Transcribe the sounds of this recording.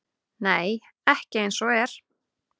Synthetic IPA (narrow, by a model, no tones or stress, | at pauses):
neːj | ɛhcɪejnsɔɛɾ̥